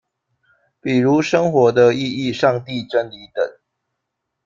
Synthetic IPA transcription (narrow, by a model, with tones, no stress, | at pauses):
pi˨˩ɻu˨˦ʂə˥ŋxwɔ˨˥d̪ə˧i˥˧i˥˨ʂɑ˥˧ŋt̪i˥˨ʈ͡ʂə˦˥nli˨˦t̪ə̰˨˩˦ŋ